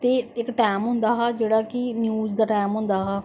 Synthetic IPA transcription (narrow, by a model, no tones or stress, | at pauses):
t̪eːɪkʈaːmɦʊ̃nd̪aːɦaːd͡ʒeːɽaːkɪnjuːzd̪aːʈaːmɦʊ̃nd̪aːɦaː